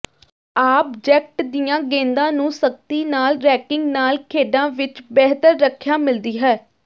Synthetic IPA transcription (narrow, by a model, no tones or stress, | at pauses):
aːp̚d͡ʒɛːk̚ʈd̪ɪjãːɡẽːnd̪ãːnũːsək̚t̪iːnaːlɾɛːkɪ̃ŋɡnaːlkʰeːɖãːʋɪt͡ʃbɛːɦt̪əɾːəkʰːjaːmɪld̪iːɦɛː